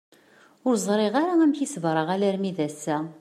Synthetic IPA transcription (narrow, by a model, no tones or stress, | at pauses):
ʊɾzˤɾˤɪʁaɾaæmçisvɾˤəʁælæɾmiðæsːæ